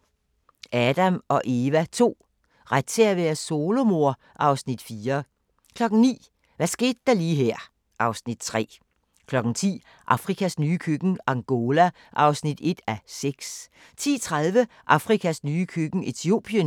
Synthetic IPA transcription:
ʔæd̥æmɒ̽ʔe̝ːʋæt͡sʰo̝̰ː | ʁad̥̚t͡sʰeɐʋeɐso̝ːlo̝mo̝ɐ̰ | ʔɑ̈ʊsnid̥fiːɐ | kʰlɒ̽ɡ̥n̩nḭː | ʋæsɡ̥e̝̰ːd̥ːɑ̈liːɦæɐ̰ | ʔɑ̈ʊsnid̥̚t͡sʰʁɛ̰ː | kʰlɒ̽ɡ̥n̩t͡sʰḭː | ʔɑ̈fʁikʰæsnyːkʰøɡ̥̩ɑ̈ŋɡ̥o̝læ | ʔɑ̈ʊsnid̥e̝d̥æseɡ̥s | t͡sʰḭːt͡sʰʁaðˠʋə | ʔɑ̈fʁikʰæsnyːəkʰøɡ̥n̩e̝t͡sʰio̝ːb̥ʰiən

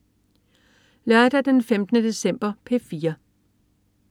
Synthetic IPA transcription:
lɶɐd̥æd̥enfemd̥ənəd̥e̝sem̰b̥ɐpʰe̝fiːɐ

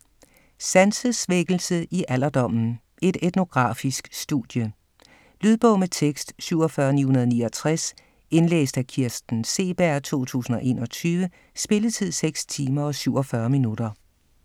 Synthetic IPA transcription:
sænsəsʋeɡ̥l̩səʔiʔæl̰ɐd̥ɒ̽m̰n̩ | e̝d̥ed̥no̝ɡ̥ʁɑ̰̈ːfisɡ̥sd̥uðˠjə | lyð̞ˠb̥ɔ̽ʊmet͡sʰeɡ̥sd̥syʊ̰ɒ̽fɶɐnihunɐð̞ˠniːɒ̽t͡sʰʁas | e̝nlḛːsd̥ækʰiɐsd̥n̩se̝̰ːb̥æɐ̰t͡sʰo̝̰ːt͡sʰṵːsn̩ɒ̽ʔe̝ːnɒ̽t͡sʰyːʋə | sb̥e̝ləðt͡sʰið̞̰ˠseɡ̥st͡sʰiːmɐɒ̽syʊɒ̽fɶːɐminud̥ɐ

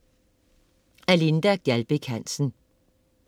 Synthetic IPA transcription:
ælind̥æɡ̥ælb̥əkʰæn̰sn̩

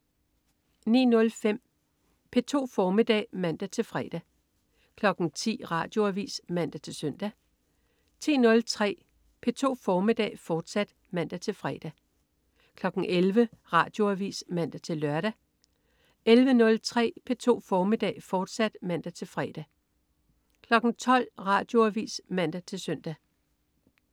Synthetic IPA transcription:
nḭːnɔ̽lfem̰ | pʰe̝t͡sʰo̝̰ːfɒːmid̥ɛ̰ːmæn̰d̥æt͡sʰe̝lfʁɛ̰ːd̥æ | kʰlɒ̽ɡ̥n̩t͡sʰḭːʁɑ̈ːd̥jo̝æʋḭːsmæn̰d̥æt͡sʰe̝lsœn̰d̥æ | t͡sʰḭːnɔ̽lt͡sʰʁɛ̰ː | pʰe̝t͡sʰo̝̰ːfɒːmid̥ɛ̰ːfɒːd̥sæd̥ | mæn̰d̥æt͡sʰe̝lfʁɛ̰ːd̥æ | kʰlɒ̽ɡ̥n̩ʔelʋəʁɑ̈ːd̥jo̝æʋḭːsmæn̰d̥æt͡sʰe̝lːɶɐɾ̥æ | elʋənɔ̽lt͡sʰʁɛ̰ːpʰe̝t͡sʰo̝̰ːfɒːmid̥ɛ̰ːfɒːd̥sæd̥mæn̰d̥æt͡sʰe̝lfʁɛːd̥æ | kʰlɒ̽ɡ̥n̩t͡sʰɒ̽l̰ʁɑ̈ːd̥jo̝æʋḭːsmæn̰d̥æt͡sʰe̝lsœn̰d̥æ

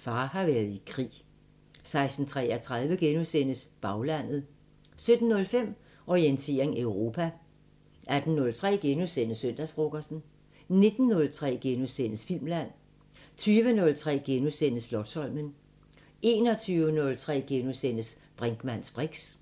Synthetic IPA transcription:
fɑ̈ːhɑ̈ʋæːɐðˠikʰʁḭː | sɑ̈ɪsd̥n̩t͡sʰʁɛ̰ɐt͡sʰʁað̞ˠʋəɡ̥enusen̰əsb̥ɑ̈ʊlæn̰ð̩ˠ | sød̥n̩ːɔ̽lfem̰ | ɒient͡sʰe̝̰ːɐeŋeʊʁo̝pʰæ | ʔæd̥n̩ːɔ̽lt͡sʰʁɛ̰ːɡ̥enusen̰əsøn̰d̥æsb̥ʁoɡ̥ɐsn̩ | ne̝d̥n̩ːɔ̽lt͡sʰʁɛ̰ːɡ̥enusen̰əsfil̰mlæn̰ | t͡sʰyːʋənɔ̽lt͡sʰʁɛ̰ːɡ̥enusen̰əslɒ̽d̥sɒ̽l̰mən | e̝ːnɒ̽t͡sʰyːʊənɔ̽lt͡sʰʁɛ̰ːɡ̥enusen̰əs | b̥ʁaŋɡ̥mæn̰sb̥ʁeɡ̥s

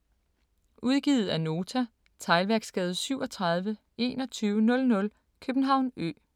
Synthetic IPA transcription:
ʔuð̞ˠɡ̥ið̞̩ˠæno̝ːt͡sʰæ | t͡sʰɑ̈ɪlʋæɐɡ̥sɡ̥ɛːð̞̩ˠsyʊɒ̽t͡sʰʁɑ̈ð̞ˠʋə | e̝̰ːnɒ̽t͡sʰyːʊənɔ̽lnɔ̽l | kʰøb̥n̩ɦɑ̈ʊ̰nø̰ː

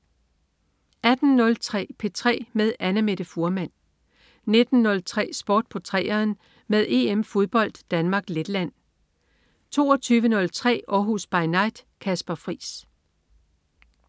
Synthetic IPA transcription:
æd̥n̩ːɔ̽lt͡sʰʁɛ̰ːpʰe̝t͡sʰʁɛ̰ːmeð̞ˠænəme̝ɾ̥əfuɐmæn̰ | ne̝d̥n̩ːɔ̽lt͡sʰʁɛ̰ːsb̥ɔ̰ːd̥̚pʰɒ̽t͡sʰʁɛ̰ːɐːn | meðˠe̝ːemfo̝ðˠb̥ɒ̽l̰d̥ːænmɑ̈ːɡ̥led̥læn̰ | t͡sʰo̝̰ːɒt͡sʰyːʋənɔ̽lt͡sʰʁɛ̰ːɒːɦusb̥ɑ̈ɪnɑ̈ɪ̰d̥kʰæsb̥ɐfʁḭːs

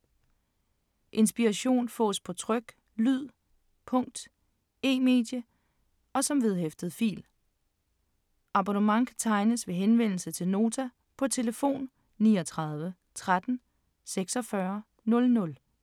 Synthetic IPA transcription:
ʔe̝nsb̥iʁɑɕo̝̰ːnfɔ̰̽ːspʰɒ̽t͡sʰʁœɡ̥ | lyð̰ˠ | pʰɔ̽ŋ̰d̥ | e̝̰ːme̝̰ːd̥jə | ɒ̽sɒ̽mʋeð̞ˠɦefd̥əð̩ˠfḭːl | ɑ̈b̥onəmɑ̈ŋkʰæt͡sʰɑ̈ɪnəsʋe̝ɦenʋen̰l̩sət͡sʰe̝lno̝ːt͡sʰæ | pʰɒ̽t͡sʰe̝ləfo̝̰ːn | nḭːɒt͡sʰʁɑð̞ˠʋə | t͡sʰʁad̥n̩ | seɡ̥sɒ̽fɶɐ | nɔ̽lnɔ̽l

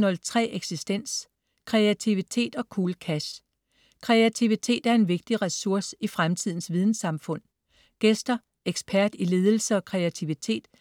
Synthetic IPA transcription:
nɒ̽lt͡sʰʁɛ̰ːʔeɡ̥sisd̥en̰s | kʰʁɛæt͡sʰiʋit͡sʰe̝̰ːd̥ɒ̽kʰuːləkʰæɕ | kʰʁɛæt͡sʰiʋit͡sʰe̝̰ːd̥æɐe̝nʋe̝ɡ̥̚d̥iʁɛsuɐ̰sifʁamt͡sʰið̰ˠn̩sʋið̞ˠn̩sɑ̈mfɔ̽n̰ | ɡ̥esd̥ɐ | eɡ̥spʰæɐd̥ile̝ːð̞ˠl̩səɒ̽kʰʁɛæt͡sʰiʋit͡sʰe̝̰ːd̥

